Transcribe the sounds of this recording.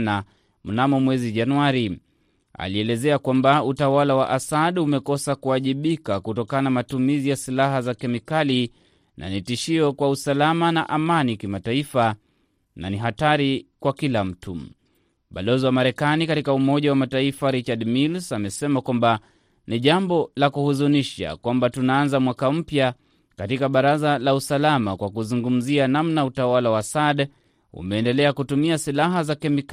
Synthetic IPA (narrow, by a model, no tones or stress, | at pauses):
na | munamɔmwɛziʄanuaɾi | a̰liɛlɛzɛakwambautawalawa̰ʔasaɗumɛkɔsakuaʄiɓikakutɔkananamatumizijasilaɦazakɛmikali | nʔa̰nitiʃiɔkwausalamanaʔamanikimataifa | na̰niɦataɾikwakilam̩tʰu | ɓalɔziwamaɾɛkanikatikaumɔʄawamataifaɾit͡ʃadmilsamɛsɛmakwamba | niʄambɔlakuhuzuniʃa̰kwambatunaanzamwakam̩pja | katikaɓaɾazalausalamakwakuzuŋɡum̩zianamnautawalawasad | ṵmɛːndɛlɛakutumiasilaɦazakɛmik